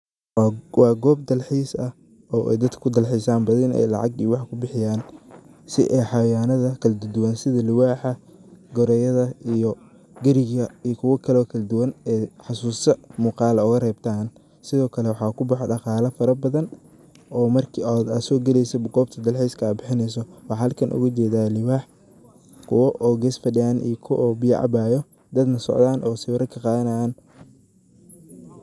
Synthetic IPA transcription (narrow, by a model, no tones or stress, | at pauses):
wɑːɡɔːb̚d̪ɐlħiːsɐ | ɔːʔɛ̰jd̪ɐd̪kʰɐkʰʊd̪ɐlħiːsaːnbɐðɐnɛ̰jlɑ̰ʕɑɡḭwɑħkʰʊbɪħɪjaːn | sɪ̰ʔɛjħɑwaːnɐðɐkʰɐlɛd̪ʊd̪ʊwɐnsɪðɐlʊwaːħɐ | ɡɔɾɛjɐðɐijɔ | ɡɐɾɪɣɐijkʰʊwɐkʰɐlɔːkʰɐlɐd̪ʊwɐnɛħɑsuːsɐmuːqɑːlɐʊɣɐrɛːbt̪ʰaːn | sɪðɔːkʰɐlɛwɑħɑːkʰʊbɑħɔɖɑqɑːlɐfɐɾɐbɐðɐn | ɔːmɐrkːd̪asɔːɡɛlɛjsɐɡɔːb̚t̪ʰɐd̪ɐlħijskʰɐaːbɪħɪnɛjs̬ɔwɑħɑhɐlkʰɐnʔʊ̰ɣɐt͡ʃɛːðaːlɪwaːħ | kʰʊwɐʔɔːɡɛːsfɐɖɪaːnḭjkʰʊwʔɔːbɪjɐ̰ʕɑ̰baːjɔ | d̪ɐd̪nɐsɔ̰ʕd̪aːnʔɔːsɪwɐɾɐkʰɐqɑːðɐnɐjaːn